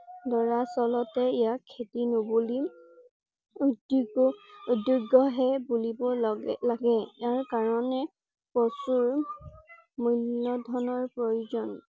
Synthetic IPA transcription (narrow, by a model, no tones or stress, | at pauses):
dɔɹasɔlɔtɛejakʰːetinobuli | udiɡʊuduɡɔɦɛbulibɔlaɡɛjaɹkaɹɔnɛ | pɔsuɹ | mulːɔdʱɔnɔɹpɹojuzɔn